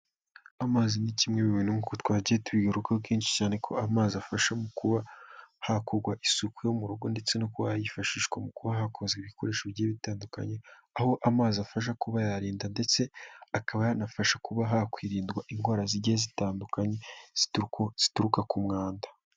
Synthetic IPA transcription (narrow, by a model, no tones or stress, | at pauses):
amaːzinicimŋeβiβinŋukutwaːɟietuβiɡaɾukab̚ɡiːnʃi̥caːne̞kʰo̞amaːziafaʃamukuβahakoɾɡwaʔisukwujo̞muɾuɡo̞nde̞t͡se̞nokuβajifaʃiːʃɡwamukuβaɦakʰo̞zɡeβiko̞̰ɾe̞ːʃeβjeːβitaːnduka̰ɲe̞ | aho̞ʔamaːziafaʃ̬akuβajaɾiːndande̞t͡se̞akaβajanafaʃakuβaɦakwiːɾiːndɡwaʔiŋɡwaːɾaziɟeezitaːndukaɲe̞z̥itz̥i̥tuɾukakumŋaːndḁ